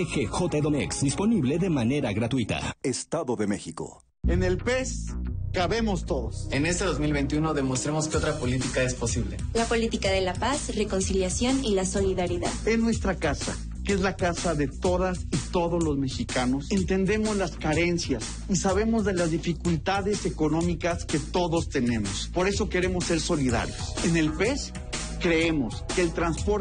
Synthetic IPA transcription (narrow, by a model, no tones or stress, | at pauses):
exexot̪aeðonḛksd̪ispo̞niβleðemane̞ɾaɣɾat̪wit̪a̰est̪aðoðemexiko̰ | e̞ne̞lpeskaβe̞mo̞st̪o̞ðosenest̪eðozmilβejnt̪juno̞ðe̞most̪ɾemo̞skeo̞t̪ɾapo̞lit̪ikaesposiβlelapolit̪ikaðelapasreko̞nsiljasjo̞nilaso̞liðaɾiða̰ðesnwe̞st̪ɾakasa̰ | kee̞zlakasaðe̞t̪o̞ðasit̪o̞ðo̞zlo̞zme̞xikano̞sent̪e̞nd̪e̞mo̞zlaskaɾe̞nsjas | isaβ̞e̞mo̞zðe̞lazðifikult̪aðe̞se̞ko̞nõ̞mikaske̞t̪o̞ðo̞st̪e̞nẽ̞mospo̞ɾe̞so̞ke̞ɾe̞mo̞sːe̞ɾso̞liða̰ɾjosene̞lpe̞s | kɾe̞emo̞ske̞ːlt̪ɾanspoɾ